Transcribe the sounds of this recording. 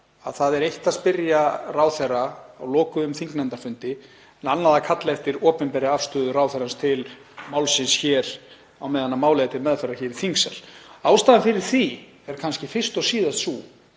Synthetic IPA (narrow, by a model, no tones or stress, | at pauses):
aðθaðɛɾejht̪aðspɪɾjaraːwθɛrːaawlɔːkʏʏmθiŋknant̪aɾfʏnt̪ɪ | ɛnanːaðakʰat̪laɛft̪ɪɾɔːpɛmpɛːɾɪaafst̪œːðʏɾaːwθɛɾanst̪ʰɪl | maːwlsɪnsçɛːɾ̥ | awmɛːðanːamaːwlɛɣat̪ʰɪlmɛðfɛrːaçɛːɾɪ̥θiŋksaɾ̥aːwst̪aːðɪnfɪɾɪɾ̥θi | ɛɾ̥kʰanscɪfɪr̥st̪ɔsiːðast̪su